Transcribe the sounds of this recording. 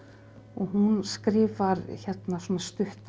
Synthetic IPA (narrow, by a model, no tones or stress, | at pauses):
ɔɣɦunskɾɪːvaɾçɛt̪nasɔːnast̪ʏht̪